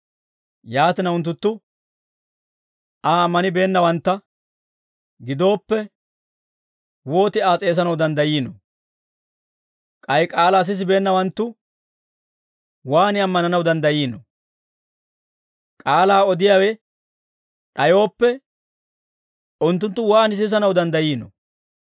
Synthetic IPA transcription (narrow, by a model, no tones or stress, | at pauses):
jaːt̪ɪnɐʊnt̪̬ːʊt̪ːʊ | aːmːɐnɪbe̞ːnːɐwɐnt̪ːɐ | ɡɪd̪o̞ːpːɛ | wo̞ːt̪ɪaːt͡sʼe̞ːs̬ɐnɐwd̪ɐnd̪ɐjiːnɔ | kʼɐjkʼaːlaːs̬ɪs̬ɪbe̞ːnːɐwɐnt̪ːʊ | waːnɪɐmːɐnɐnɐwd̪ɐnd̪ɐjiːnɔ | kʼaːlaːɔd̪ɪjaːwɛ | ɗɐjo̞ːpːɛ | ʔʊnt̪ːʊnt̪ːʊwaːnɪs̬ɪs̬ɐnɐwd̪ɐnd̪ɐjiːnɔ̰